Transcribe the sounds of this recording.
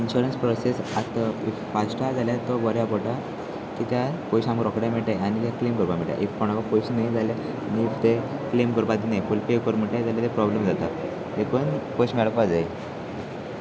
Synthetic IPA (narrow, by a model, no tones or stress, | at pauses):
inɕuɾənspɾɔsesat̪ai | fasʈad͡zaljat̪ɔbɔɾjapɔʈa | kit̪japɔjɕãmkɾɔkɽamɛʈajanit̪aklemkəɾpam̤eʈja̰ʔifpɔɳakɔpojsnajd͡zalja | nit̪eklemkəɾpat̪inajfulpekəɾmeʈad͡zaljat̪epɾɔblemd͡zat̪a | ɦekənpojɕmɛɭkad͡zae